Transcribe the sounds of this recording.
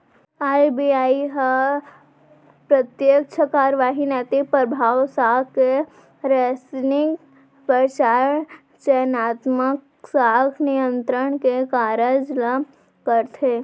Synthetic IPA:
aːjbiaːiɦa | pɾət̪jək̚t͡ʃʰəkaːɾʋaːɦinɛːt̪ipəɾbʱaːwsaːke | ɾɛsnɪk | pət͡ʃaːɾəɳ | t͡ʃɛːnaːt̪mək | saːɡnijə̃nt̪ɾəɽ̃kekaːɾəd͡ʒla | kəɾt̪ʰeː

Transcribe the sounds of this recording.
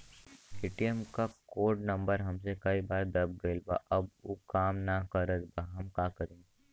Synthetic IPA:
eːʈiəmkakoːɾɖnɐ̃mbəɾɦɐmsekɐibaːɾd̪ɐb̚ɡəɪlba̰ʔɐb̚oːkaːmnakɐɾət̪baɦɐmkaːkəɾẽːŋɡi

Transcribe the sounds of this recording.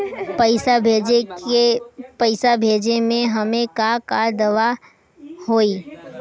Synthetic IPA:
ɐɪsaed͡ʒepɐɪsabʱeːd͡ʒemẽɦɐmẽkakad̪ɐʋa | hoːiː

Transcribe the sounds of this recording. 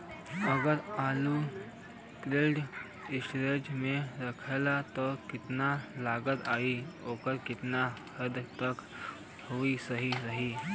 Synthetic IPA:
əɡəɾaːlu | t̪ɾeːɖ | ɪsʈɾed͡ʒmẽɾɐkʰeːlat̪ɔkɪt̪nalaːɡət̪aːioːkəɾkɪt̪nakʰəd̪t̪ək | hoisəɦiɾɐɦiː

